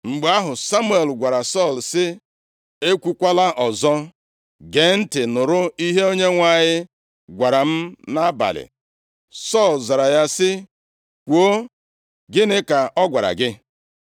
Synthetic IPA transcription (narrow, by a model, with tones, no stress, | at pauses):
ŋ͡m̩˨ɡ͡ba˦ɦʊ˨sa˦mu˦e˨lɡʷa˨ɾa˨sɔ˦˨lsɪ˦ | e˦kʷu˨kʷa˦la˦ʔɔ˨zɔ˦ | ɡe˨˦n̩˦tɪ˨nʊ˨ɾʊ˦i˦ɦe˦o˦ɲe˦ŋʷa˦˨ɲɪ˦ | ɡʷa˨ɾa˨m̩˦na˦ba̰˨lɪ̰˨ | sɔ˦˨lza˨ɾa˨ja˦sɪ˦ | kʷo˦ | ɡɪ˦nɪ˦ka˨ʔɔ˦ɡʷa˨ɾa̰˨ɡɪ˦